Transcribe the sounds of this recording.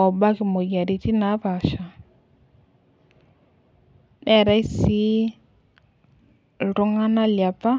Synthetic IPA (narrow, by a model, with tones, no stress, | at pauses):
ɔ˨ba˦kɪ˨mo˨ja˨ɾi˨ti˦na˨˦βa˨ʃa˨ | nʔɛ˨ɾa˦i˦si˦ | tʊ˦ŋa˦na˦lja˨pa˦